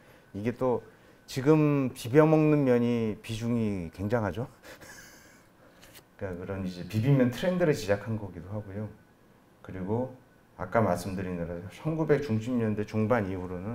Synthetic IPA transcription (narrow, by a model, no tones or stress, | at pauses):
iɡe̞t͈o | t͡ɕiɡɯmpibjʌmʌŋnɯmːjʌɲipid͡ʑuŋikwe̞ŋd͡ʑaŋɦad͡ʑo | ik͈akɯɾʌnid͡ʑe̞pibimjʌntʰɯɾendɯɾɯt͡ɕid͡ʑakʰanɡʌɡidoɦaɡojo | kɯɾiɡo | a̰k͈amaɭs͈ɯmdɯɾinɯɾaot͡ɕʰʌnɡube̞k̚t͡ɕuŋɕ̬ʰimɲʌnde̞t͡ɕoŋbaɲiuɾonɯn